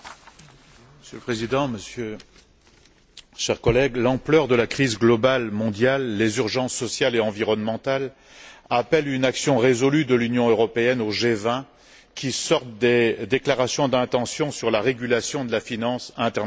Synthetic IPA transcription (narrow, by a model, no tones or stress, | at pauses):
məsjøləpχezid̪ɑ̃məsjø | ʃɛʁkɔlɛɡlɑ̃plœʁd̪əlakχizɡlɔbalmɔ̃d̪jalːezyʁʒɑ̃sːɔsjaleɑ̃viʁɔnmɑ̃t̪al | apɛlynaksjɔ̃ʁezɔlyd̪əlynjɔ̃øʁɔpeɛnoʒevɛ̃ | kʲʰisɔʁt̪̚d̪ed̪eklaʁasjɔ̃d̪ɛ̃t̪ɑ̃sjɔ̃syʁlaʁeɡʲylasjɔ̃d̪əlafinɑ̃sɛ̃t̪ɛʁn